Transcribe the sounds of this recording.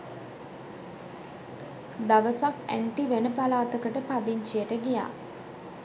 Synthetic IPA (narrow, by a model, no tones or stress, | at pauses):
d̪ɐʋɐsakḛɳʈiʋenupɐlaːt̪ɐkɐʈəpɐd̪iɲt͡ʃejɐʈɐɡija̰ː